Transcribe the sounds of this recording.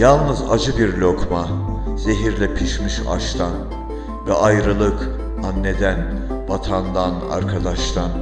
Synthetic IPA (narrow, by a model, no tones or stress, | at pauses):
jalˠnɯza̰d͡ʒɯbiɾlʲo̞kʰmaze̞ɦiɾlʲɛpʰiʃmiʃa̰ʃt̪ʰan | vɛʔajɾɯlˠɯk | anːe̞d̪æn | vat̪ʰand̪ana̰ɾkʰad̪aʃt̪ʰan